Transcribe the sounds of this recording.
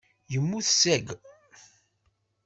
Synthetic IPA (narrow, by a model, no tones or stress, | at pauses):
jəmːuθsæɡ